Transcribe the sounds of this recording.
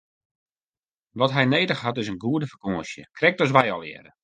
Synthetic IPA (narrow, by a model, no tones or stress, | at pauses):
ʋɔtɦɛjneːdəxhatɪsənɡuədəfə̥koːəsjə̰kʰrɛk̚tɔs̬ʋɛjɔ̰lˠɪ̰əɾə